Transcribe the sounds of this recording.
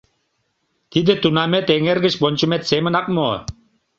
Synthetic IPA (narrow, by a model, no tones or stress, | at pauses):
t̪id̪ɘ̆t̪unamet̪eŋeɾɡɘ̆ʃbonʲt͡ɕumet̪semɘ̆nɑq̚mo̰